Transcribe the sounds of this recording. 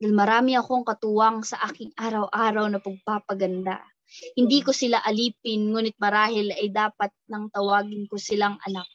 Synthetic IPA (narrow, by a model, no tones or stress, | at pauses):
d̪almɐɾaːmɪɐko̞ŋkɐt̪ʊwɐŋsɐʔaːkɪŋʔaːɾɐwʔaːɾɐwnɐpɐɡ̚paːpɐɡɐnd̪a̰ | hɪnd̪iːkosɪlaʔɐliːpɪnŋuːnɪt̪̚mɐɾaːhɪlɐjd̪aːpɐt̪̚nɐŋt̪ɐwaːɡɪnkosɪlaŋɐ̰nak̚